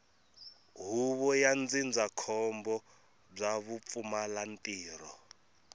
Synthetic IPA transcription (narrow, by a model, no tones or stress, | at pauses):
ɦuβɔjand͡zind͡zakʰɔmbɔ | b͡ʐaβup̪fumalantʼiːrɔ